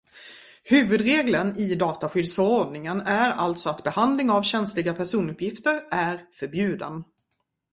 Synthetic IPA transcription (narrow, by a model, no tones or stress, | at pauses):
hʉ̟ːvɵd̪ɾeːɡlənɪd̪ɑːt̪aɧʏd̪sfœɾɔɖnɪŋənæɾa̰lt̪sɔat̪bɛhand̪lɪŋavɕɛnslɪɡapʰæʂuːnɵpːjɪft̪əɾæɾfœɾbjʉ̟ːd̪ə̰n